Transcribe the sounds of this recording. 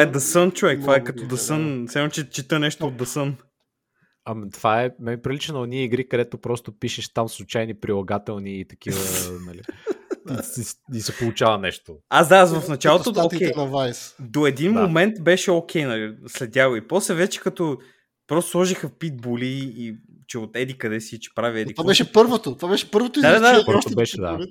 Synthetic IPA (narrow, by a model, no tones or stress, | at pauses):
vaɛd̪ɐsənt͡ʃuvɛkt̪vaɛkɐt̪ɔd̪ɐsənslamot͡ʃɛt͡ʃit̪ənɛʃt̪oːd̪ɐsən | ɐmit̪vaɛmɛnipɾʲilit͡ʃɛnɐniɛiɡɾikɐd̪ɛt̪opɾɔst̪opiʃɛʃt̪amslˠut͡ʃajnipɾilˠɐɡat̪ɛlˠniːt̪ɐ̥kivənɐliiiisɛpolˠut͡ʃavɐnɛʃt̪oazd̪avɐfnɐt͡ʃalˠot̪ookɛjnɐvajsd̪oɛd̪inmomɛnt̪bɛʃɛok̟ʰʲɛjnɐlislɛd̪̚dʲaɡoipɔslɛvɛt͡ʃɛ̥kɐt̪ɔ | pɾɔst̪oslˠɔʒixəfpit̪̚boliː | t͡ʃɛot̪ɛd̪ikɐd̪ɛsit͡ʃɛ̥pɾaviɛd̪ik̪vabɛʃɛpɤɾvot̪ot̪vabɛʃɛ̥pɤɾvot̪oid̪ad̪ad̪aapɾbɛʃɛd̪a̰